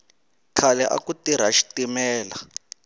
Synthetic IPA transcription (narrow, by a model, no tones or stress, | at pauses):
kʰalɛʔa̰kutiɾ̤aʃi̥timɛːla